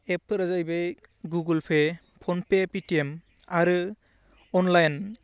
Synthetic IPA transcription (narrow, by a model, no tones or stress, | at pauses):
epʰːɯɾazajbe | ɡuɡɯlpʰe | pʰɔnpepitiem | aɾɯ | ɔnlajn